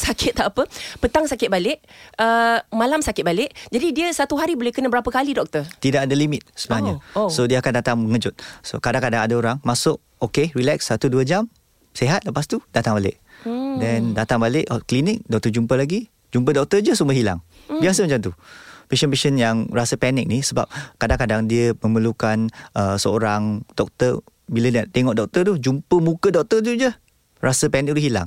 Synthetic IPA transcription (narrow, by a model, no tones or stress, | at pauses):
sakʰɪt̪̚ːaʔapəpət̪aŋsakɪt̪̚balɪʔəmalamsakɪt̪̚balɪʔd͡ʒadidiəsat̪uɦaɾibolɛhkənabəɾapəkalidɔk̚t̪ət̪idaʔkadalimit̪̚səbənaɲasodiəakandat̪aŋməŋəd͡ʒʊt̪̚so̰kadaŋkadaŋadaoɾaŋmasʊʔ̚ | okeɹilɛksːat̪uduəd͡ʒam | seɦat̪̚ləpast̪udat̪aŋbalɪ̰ʔdɛndat̪aŋbalɪʔklinɪk̚dɔk̚t̪əd͡ʒumpəlaɡi | d͡ʒump̬ədɔk̚t̪əd͡ʒəsuməɦila̰ŋbiasəmat͡ʃamt̪upeʃənpeʃənjaŋrasəpɛnɪk̚nisəba̰p̚kadaŋkadaŋdiəmə̃məlukanəsəoɾaŋdɔk̚t̪ər | bilədat̪eŋɔʔdɔk̚t̪ət̪ud͡ʒumpəmũkədɔk̚t̪ət̪ud͡ʒə | rasəpɛnɪk̚t̪uɦila̰ŋ